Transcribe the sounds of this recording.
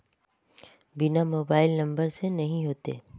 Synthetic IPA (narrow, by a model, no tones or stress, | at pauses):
bɪnamoːbaːɪlnɐ̃mbəɾsenɐɦĩɦoːt̪ḛː